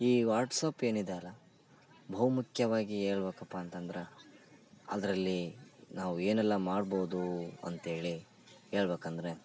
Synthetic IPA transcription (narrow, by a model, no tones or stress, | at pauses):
iːʋaːɾʈsaːpe̞ːnid̪eɐlːɐ | bʱɐʋɐmukʰjɐʋaːɡie̞ːɭbeːkɐpːaːnt̪ɐnd̪ɾe | ɐ̰d̪ɐɾɐlːinaːʋue̞ːnɛlːɐmaːɖboːd̪uɐ̰nt̪ɦe̞ːɭi | e̞ːɭbeːkɐnd̪ɾe